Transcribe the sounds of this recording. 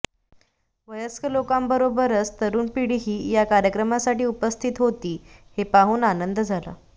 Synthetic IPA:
ʋəjəskəlokambəɾobəɾət͡st̪əɾuːnpiɽiːɦiːjakaɾjəkɾəmasaʈiːupəst̪ʰit̪ɦot̪iːhepaɦuːnanənd̪d͡zʱala̰

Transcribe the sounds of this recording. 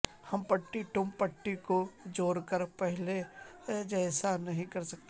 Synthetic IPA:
hɐmpɐʈːiʈʊ̃mpɐʈːikod͡ʒoːɾkəɾpɛɦled͡ʒɛːsanɐɦĩkɐɾsɐk̚t̪e

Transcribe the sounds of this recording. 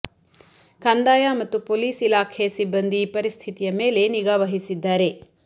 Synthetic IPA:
kɐnd̪aːjaːmɐt̪ːupoliːsilaːkʰesibːɐnd̪ipɐɾist̪ʰit̪ijɐmeːle̞niɡaːʋɐɦisid̪ːaːɾe̞

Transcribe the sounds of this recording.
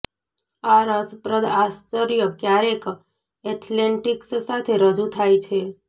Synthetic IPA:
aɾəspɾəd̪ast͡ʃəɾijəkjaɾek | ɛt̪ʰleɳʈikssat̪ʰeɾəd͡ʒut̪ʰajt͡ʃʰe

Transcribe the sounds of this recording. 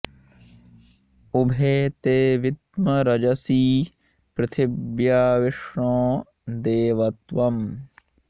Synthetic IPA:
ʊbʱeːt̪eːʋɪt̪məɾɐd͡ʒɐsiː | pɾɐt̪ʰɪbjaːʋɪʂɳõː | d̪eːʋɐt̪ʋɐm

